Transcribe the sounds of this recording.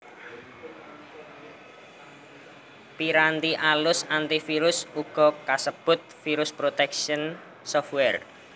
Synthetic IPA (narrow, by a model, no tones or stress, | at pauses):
piɾant̪iʔalʊsant̪ifiɾʊsuɡ̥ɔ̤kasəb̥ʊt̪̚fiɾʊspɾot̪ɛkʃən | sɔfwɛr